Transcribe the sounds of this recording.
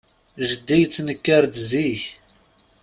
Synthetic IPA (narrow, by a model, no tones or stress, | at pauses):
ʒəd̪ːijt͡sːnəkːaɾd̪ziç